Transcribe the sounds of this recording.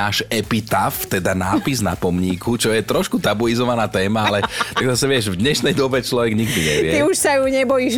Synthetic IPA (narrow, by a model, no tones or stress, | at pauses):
aːʃɛpit̪aft̪ɛd̪anaːpizna̰pɔmɲiːkʰut͡ʃɔjɛt̪ɾɔʃkut̪abuizɔʋanaːt̪ɛːmaalɛt̪aɡzasɛʋɪɛʒvd̪ɲɛʃnɛjd̪ɔbɛt͡ʃlɔʋɛɡɲiɡd̪iɲɛ̰ʋɪɛt̪iuʃsajuɲɛbɔjiːʒ